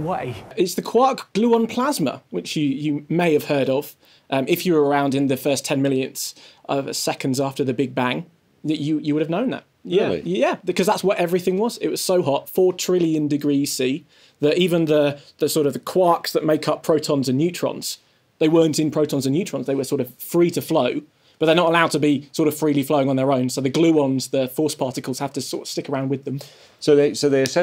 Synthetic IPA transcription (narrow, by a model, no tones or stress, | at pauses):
weɪɪtsðəkʰw̥ɑˑkɡ̥lʉːə̃npʰl̥azmə̰wɪt͡ʃjəjəmeɪɨv̥hɜːɾəv̥ | ʔʌ̃mɪfjəwə˞ə˞ãʊ̃ndɨ̃nðɨfɜˑstʰɛ̃nmɪlˠjɨ̃nz̥ʔʌv̰sɛkə̃ndzɑˑftəðəbɪɡ̚bæ̃ŋ | əəjəwʊɾəvnə̃ʊ̃nðə̰t̚jæḭjæbɪkʰʌzðatswʌtɛvɹiθɪ̃ŋwɒz̥ɪ̰ʔ̚wɒz̥səʊɦɒtfɔːtʰɹ̥ɪlˠjə̃ndɪɡɹisiː | ðətiːvə̃nðəðəsɔˑɾʌvðəkʰw̥ɑˑksðəʔ̚meɪkʰʌpʰɹ̥əʊtʰə̃nzə̃nːjʉˑt͡ʃɹ̥ɑ̰̃nz̥ | ðeɪwɜ̃ːˑntɪ̃npʰɹ̥əʊtə̃nzə̃njʉˑt͡ʃʰɹ̥ɑ̃nzðeɪwəsɔˑɹɾʌv̥fɹiːtəfləʊ | b̥ʌt̪ʔ̚ðə˞nəɾəlaʊd̚tʰəbisɔˑɾʌv̥fɹiːlifləʊɪ̃ŋə̃nðə˞ə̃ʊ̃nsoʊðəɡlʉʌ̃nzðəfɔˑspʰɑˑtɪkəlˠz̥haftʰəsɔ̰ɹɾə̥v̥stɪkə˞ãʊ̃ndwɨðə̃m | soʊðeɪsoʊðeɪəsɛ